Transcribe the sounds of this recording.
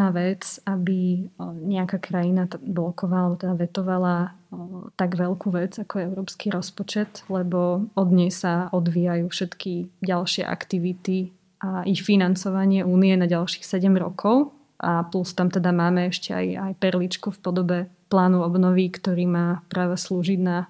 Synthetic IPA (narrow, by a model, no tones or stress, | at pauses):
aʋɛt͡sabiɲɛakakɾajinablɔkɔʋalbɔt̪ɛd̪aʋɛt̪ɔʋala | t̪aɡʋɛlkuʋɛd͡zakɔjɛɛʊɾɔːpskiɾɔspɔt͡ʃɛt̪lɛbɔɔd̪ɲɛjsaʔɔd̪ʋiːjajuːfʃɛt̪kiɟalʃɪɛ̰ʔa̰kt̪iʋit̪i | ʔaʔixfinant͡sɔʋaɲɪɛʔuːnijɛnaɟalʃi̥ːxsɛɟɛmɾɔ̰kʰɔʊ | ʔaplust̪amt̪ɛd̪amaːmɛɛʃcɛa̰jajpɛɾlit͡ʃkufpɔd̪ɔbɛ | plaːnuɔbnɔʋikt̪ɔɾiːmaːpɾaːʋɛsluːʒid̪na